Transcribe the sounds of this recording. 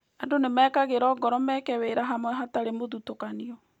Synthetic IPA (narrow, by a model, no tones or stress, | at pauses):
adonemɛːkaɣeɾɔːɡɔɾɔmɛːkɛweɾaɦamwɛɦataɾemoðutokaniɔ